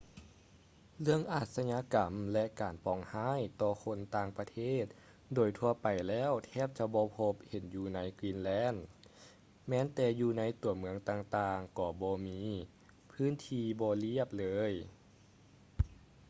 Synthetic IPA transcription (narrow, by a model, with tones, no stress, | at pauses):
lɯ˧əŋʔaː˧˩t̪̚sa˧ɲa˧˥ka˨˩mlɛ˧ʔkaː˨˩npɔː˨˩ŋhaː˧˥˨jt̪ɔː˧kʰo˧˥˨nt̪aː˧ŋpa˧t̪ʰeː˥˩t̪̚ | doː˨˩jt̪ʰu˧ɐpa˨˩jlɛː˧˥˩wt̪ʰɛː˧˥˩p̚t͡ɕa˧˩bɔː˧˦pʰo˧˥p̚he˨˩˦njuː˧na˧˥jkwiː˧˥˨nlɛː˧˥˨n | mɛː˧˥˨nt̪ɛː˧juː˧na˧˥jt̪u˨˩˦mɯ˧˦əŋt̪aː˧ŋt̪aː˧ŋkɔː˧˩bɔː˧˦miː˧˥ | pʰɯː˧˥˨nt̪ʰiː˧bɔː˧li˧˥˩əp̚lɤː˧˥j